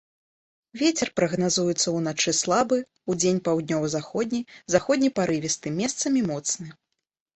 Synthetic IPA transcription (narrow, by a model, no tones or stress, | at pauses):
vʲet͡sʲɛrpɾɐɣnazujut̪sːɐwnat͡ʂɨslˠabɨ | ud͡zʲenʲpawd̪̚ʲnʲɔvɐzaxɔd̪ʲnʲijzaxɔd̚ʲnʲipaɾɨvʲist̪ɨmʲɛst̪sɐmʲimɔt̪snɨ